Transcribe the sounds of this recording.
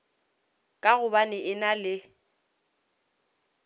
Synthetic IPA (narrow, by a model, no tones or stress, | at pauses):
kʼaɣʊbanɪʔɪnalɪ